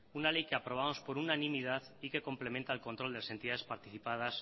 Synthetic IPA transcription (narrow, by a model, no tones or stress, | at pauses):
unale̞jke̞apɾo̞βamo̞spo̞ɾunanĩmið̞aθ | ike̞ko̞mple̞ment̪aelko̞nt̪ɾold̪elase̞nt̪iðaðespaɾt̪iθipað̞as